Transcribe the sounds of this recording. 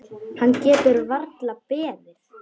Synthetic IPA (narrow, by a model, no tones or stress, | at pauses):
hanːcɛːt̪ʏɾvaɾt̪lapɛːðɪɾ̥